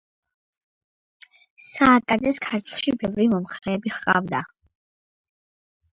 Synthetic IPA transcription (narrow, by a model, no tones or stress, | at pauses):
saːkʼad̪ɛskʰaɾt̪ʰlˠʃibɛvɾimɔmχɾɛːbiχqʼa̰vd̪a